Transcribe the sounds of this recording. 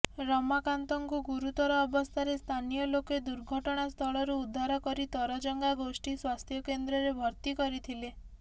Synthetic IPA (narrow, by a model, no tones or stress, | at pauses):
ɾɔmakant̪ɔŋkuɡuɾut̪ɔɾɔːbɔst̪ʰaɾest̪ʰanijɔloked̪uɾɡʱɔʈɔɽ̃ast̪ʰɔɭɔɾuːd̪ʱːaɾɔkɔɾit̪ɔɾɔd͡ʒɔŋɡaɡosʈiswast̪ʰjɔkend̪ɾɔɾebʱɔɾt̪ikɔɾit̪ʰile